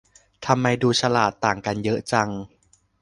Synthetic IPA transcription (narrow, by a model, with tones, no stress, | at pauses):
t̪ʰa˧mːa˧jduː˧t͡ɕʰa˧laː˨˩t̪ːaː˨˩ŋka˧njɤ˦˥ʔt͡ɕa˧ŋ